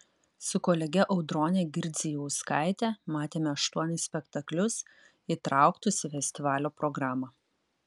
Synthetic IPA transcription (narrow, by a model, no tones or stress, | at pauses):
sʊkɔːlʲɛɡʲɛʔɒʊd̪ɾoːnʲeɡʲɪɾʲd̪zʲɪjɛʊskɑɪt̪ʲɛmɑːt̪ʲeːmʲɛɐʃt̪uɔnʲɪsʲsʲpʲɛkt̪ɐklʲʊs | iːt̪ɾɑˑʊkt̪ʊsʲɪfʲɛsʲt̪ʲɪʋɑːlʲoːpɾɔɡɾɑːmɐ